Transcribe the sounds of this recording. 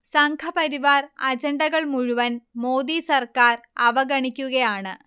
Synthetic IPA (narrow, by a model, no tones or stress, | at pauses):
sɐŋkʰɐpɐɾiʋaːrɐd͡ʑɐɳɖɐɣɐɭmuɻuʋɐnmo̞ːd̪iːsɐrkaːrɐʋɐɡɐɳikʲːuɣɐjaːɳɨ